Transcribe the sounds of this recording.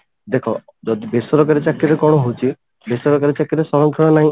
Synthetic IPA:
d̪ekʰɔ | d͡ʒɔd̪ibesɔɾɔkaɾit͡ʃakːiɾekɔɽ̃ɔɦot͡ʃʰi | besɔɾɔkaɾit͡ʃakiɾesɔɾɔŋkʰɔɽ̃ɔnaɦĩ

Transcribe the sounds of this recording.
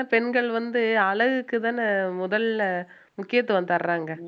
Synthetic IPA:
pɛnɡɐɭʋɐnd̪ɯɐɭɐɣɯkːɯt̪aːnɯmʊðɐl | mʊkːɪjɐt̪̬ːɯʋɐnd̪ɐɾɾaːŋɡɐ

